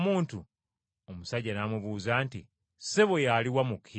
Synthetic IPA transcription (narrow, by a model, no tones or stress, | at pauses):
muːntu | omusaɟːanamuβuːzaːntḭ | seβojaliwamukʰi